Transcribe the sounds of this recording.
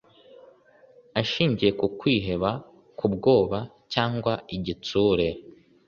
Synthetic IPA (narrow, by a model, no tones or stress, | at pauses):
aʃiːɲɟije̞kukwiːɦe̞βa | kʰubɡo̞ːβa | caːŋɡwaiɟituːɾe̞